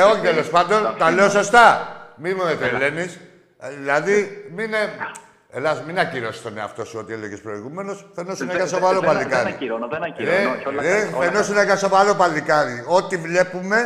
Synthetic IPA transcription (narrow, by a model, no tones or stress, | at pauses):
eo̞çit̪elo̞spɐnd̪o̞nt̪ɐle̞oso̞st̪ɐmimumet̪ele̞nis | ðilɐðimine | eðɐsminɐciɾo̞si̥st̪oneɐ̰ft̪o̞suo̞t̪ieleʝespɾo̞iɣume̞no̞sfe̞nosunekɐso̞vaɾopɐlikɐðḭ | eefenosuneɣɐso̞vaɾo̞pɐlikɐðio̞t̪ivle̞pume̞